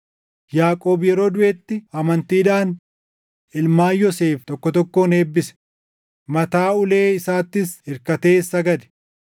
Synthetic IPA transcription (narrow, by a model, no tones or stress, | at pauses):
jaːkʼo̞ːbjɛɾo̞ːd̪ʊʔet̪ːɪɐmɐnt̪iːᶑaːn | ʔɪlmaːjɔse̞ːft̪ɔkːɔt̪ɔkːo̞ːne̞ːbːɪsɛ̥ | mɐt̪aːʊleːɪsaːt̪ːɪsɪɾkɐt̪e̞ːsɐɡɐd̪ɛ̥